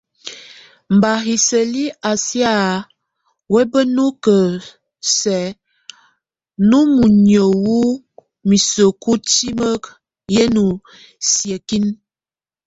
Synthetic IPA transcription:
m˨ba˨ɦi˨sə˨li˦a˨sja˦˨ | wɛ˦bə˦nu˦kə˨ | sɛ˨ | nu˦mu˨ɲjə˨wu˦ | mi˨sə˨ku˦ti˦mə˦k | je˦nu˨ | sjə˨ki˦n

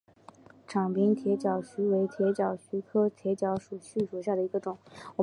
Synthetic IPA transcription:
ʈ͡ʂʰɑ˨˩ŋpi˥ŋt̪ʰjɛ˧˥t͡ɕjɑ˨˩ʊɕy˧˥we˧˥ɪt̪ʰjɛ˧˥t͡ɕjɑ˨˩ʊɕy˧˥kʰɤ˥t̪ʰjɛ˧˥t͡ɕjɑ˧˥ʊʂu˨˩ɕy˥˩ʂu˨˩ɕ̬ja˥˩d̪ə˩i˧˥ɡə˧ʈ͡ʂʊ˨˩˦ŋwɔ˨˩

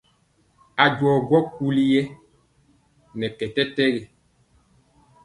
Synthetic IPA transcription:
a˨d͡ʒwɔː˨ɡwɔ˦ku˦li˦jɛ˦ | nɛ˨kɛ˨tɛ˦tɛ˦ɣɛ˨

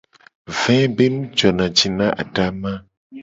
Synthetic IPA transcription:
vɛ̃˦be˦nũ˦t͡ʃɔ˨nã˨d͡ʒi˨nã˦ʔa̰˨ɖa˦mã˦

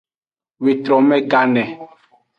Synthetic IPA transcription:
we˨t̪ɾɔ˨mɛ̃˦ɡa˨nɛ̃˨

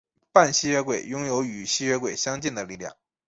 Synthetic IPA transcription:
pa˥˩nɕi˥ɥɛ˥˧kwe˥˩ɪjʊ˥ŋjo˧˥ʊy˨˩ɕi˥ɥɛ˥kwe˥˩ɪɕjɑ˥ŋt͡ɕi˥˩nd̪ə˩li˥˩ljɑ̰˥˩ŋ

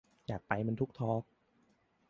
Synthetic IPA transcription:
jaː˨˩k̚pa˧jma˧nt̪ʰu˦˥k̚t̪ʰɔː˦˥k̚

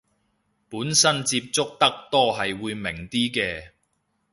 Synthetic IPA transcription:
puː˨˥nsɐ˥nt͡siː˧p̚t͡sʊ˥k̚t̪ɐ˥k̚t̪ɔː˥ɦɐ˨jwuː˨˧jmɪ˨˩ŋt̪iː˥kɛː˧

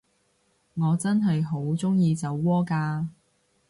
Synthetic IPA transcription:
ŋɔː˨˧t͡sɐ˥nɦɐ˨jɦo˨˥wt͡sʊ˥ŋjiː˧t͡sɐ˨˥wːɔː˥kaː˧

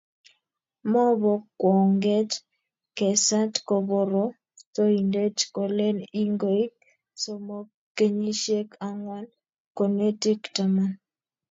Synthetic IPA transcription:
mɔ˦bɔ˨kːwɔ˨ŋɡe˦t | kɛ˨sa˦tkɔ˨bɔ˨ɾɔ˦ | to˦i˨nde˦tko˨le˦ni˦ŋɡo˨i˦k̚ | so˦˨mo˦ | ke˦ɲi˦ʃe˦ka˨ŋwa˦n | ko˨ne˦ti˦kta˨ma˦n

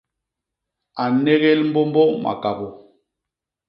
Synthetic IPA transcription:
a˨nɛ˦ɣɛ˦lm̩˦bɔ˦mbɔ˦ʔmʔa̰˨ka˨bo˨

